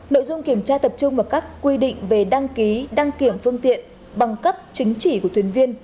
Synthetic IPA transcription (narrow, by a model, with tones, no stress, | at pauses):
no̰˧˨jzʊ˧ŋ͡mki˧˩əmt͡ɕaː˧t̪ə˨˩p̚t͡ɕʊ˧ŋ͡mvaː˨˩kaː˦˥kːwi˧ɗḭ̈˧˨ŋ̟ve˨˩ɗa˧ŋki˨˦ɗa˧ŋki˧˩əmfɨ˧əŋt̪ḭ˧˨ən | ɓa˨˩ŋkə˦˥p̚t͡ɕï˨˦ŋ̟t͡ɕi˧˩ku˧˩ət̪ʰi˨˦ənvi˧ən